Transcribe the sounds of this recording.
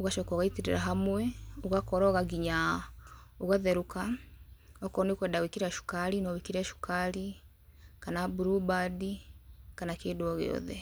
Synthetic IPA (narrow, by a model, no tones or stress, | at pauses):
uɣaʃɔkɔɣaitiɾiɾaɦamwɛuɣakɔɾɔɣaɡiɲa | uɣaðɛɾuka | ɔkɔnekwɛːndawikiɾaʃu̥kaɾinɔwikiɾɛʃu̥kaɾi | kanabuɾubadikanakeːduɔɣḛɔ̰ðɛ